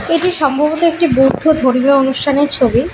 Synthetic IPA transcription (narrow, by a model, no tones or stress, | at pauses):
eʈiʃɔmbʱabot̪oek̚ʈibowd̪ʱod̪ʱoɾmoonuʃʈʰaneɾt͡ɕʰobi